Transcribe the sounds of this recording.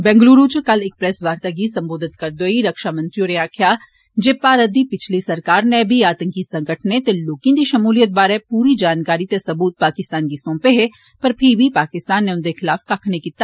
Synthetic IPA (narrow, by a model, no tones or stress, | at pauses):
bɛ̃ːŋɡluːɾuːt͡ʃkɐlek̚pɾɛsʋaːɾt̪aɡiːsɐ̃mboːd̪ʱɪt̪kɐɾd̪oːiɾɐkʃaːmɐ̃nt̪ɾijoɾeãkʰjaː | d͡ʒeːpaːɾəd̪ipɪt͡ʃʰlisɐɾkaːɾnɛ̃bʱiaːt̪ə̃ŋkisɐ̃ŋɡəʈʰnet̪eloːkĩnd̪iʃɐmuːlijət̪̚baːɾɛ̃puːɾid͡ʒaːnkaːɾit̪esɐbuːt̪̚paːkɪst̪aːnɡisõːmpeɦɛ | pɐɾpʰɪɾbʱipaːkɪst̪aːnːẽʊ̃nd̪exɪlaːfkakʰnekit̪ːa